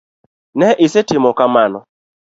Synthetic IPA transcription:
nɛʔɪsetɪmɔkamanɔ̰

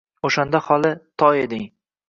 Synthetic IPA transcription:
oʃand̪ahɒlˠɪt̪ʰɒjed̪ɪŋ

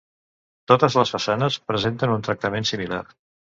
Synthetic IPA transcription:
t̪ot̪əzləsfəsanəspɾəzent̪ənunt̪ɾək̚t̪əmensimila̰r

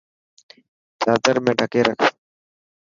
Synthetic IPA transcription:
t͡ʃaːt̪əɾmẽːɖʱəkeːɾəkʰ

